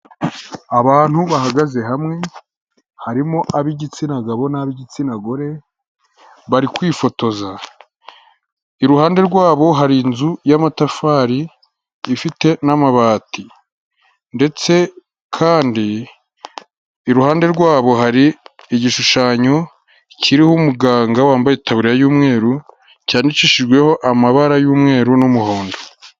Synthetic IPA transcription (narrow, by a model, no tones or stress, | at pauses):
aβaːn̥huβahaɡaze̞ɦamŋe̞ | haɾimoʔaβiɟit͡sinaɡaβo̞naβiɟit͡sinaɡoɾe̞ | βaɾikwiːfo̞to̞za | iɾuhaːnde̞ɾɡwaːβo̞ɦaɾinzujamatafaːɾiː | fite̞namaβaːti | nde̞t͡se̞ | kʰaːndi | ɾuhaːnde̞ɾɡwaːβo̞ɦaɾiːɟiʃuʃaːɲo | cʰiɾihumuɡaːŋɡawaːmbajetaβuɾiɾajuːmŋe̞ːɾu | caːndiciːʃiʒɡwe̞ho̞ʔamaβaɾajuːmŋe̞ːɾunumuho̞ːndo